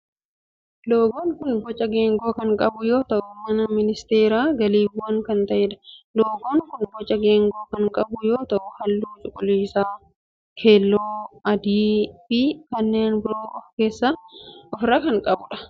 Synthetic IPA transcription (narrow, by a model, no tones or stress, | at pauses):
loːɡoːŋkʊnɡɔt͡ʃʼːɐɡe̞ːŋɡo̞ːkɐŋkʼɐbʊjoːt̪ɐʔʊmɐnɐmɪnɪst̪e̞ːɾaːɡɐliːbɐŋkɐnt̪ɐʔɛᶑɐ̥loːɡoːŋkʊnɡɔt͡ʃʼːɐɡe̞ːŋɡo̞ːkɐŋkʼɐbʊjoːt̪ɐʔʊhɐlːuːt͡ʃʼʊkʼːʊliːsaː | kʰe̞ːlːoːɐd̪iːfɪkɐnːe̞ːnbɪɾoːʔɔfke̞ːsːaːɔfɾaːkɐŋkʼɐbʊᶑɐ̥